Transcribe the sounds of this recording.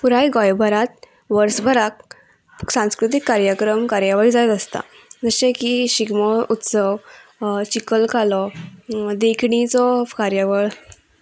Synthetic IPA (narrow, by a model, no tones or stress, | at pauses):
puɾajɡɔjbʱəɾat̪̚ | ʋəɾsbʱəɾak̚ | sãw̃skɾut̪̬ikːaɾjakɾəmkaɾjaʋaid͡zajt̪əst̪a̰ | d͡zəɕẽkiɕiɡmɔut̪səʋt͡ɕikəlkalɔ | d̪ekʰɳ̃it͡sɔkaɾjaʋəɭ